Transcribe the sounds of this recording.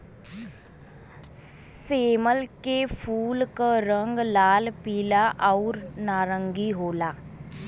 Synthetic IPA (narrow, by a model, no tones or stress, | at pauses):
seːməlkefʰuːlkəɾəŋɡlaːlpiːlaʔauɾnaːɾəŋɡiɦoːlaː